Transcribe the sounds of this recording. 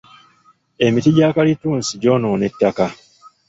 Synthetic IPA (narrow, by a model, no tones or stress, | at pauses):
e̞mitiɟaːkalituːnsiɟo̞noːne̞tːaka